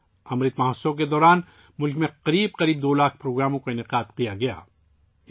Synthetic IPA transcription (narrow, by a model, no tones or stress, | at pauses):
ɐmɾiːt̪mɐɦəsːõk̬ed̪ɔːɾaːn | mʊlkmẽqɐɾiːb̚qɐɾiːb̚d̪oːlaːkʰpɾoːɡɾaːmõkoɪnɪqaːd̪qijaɡɐja̰ː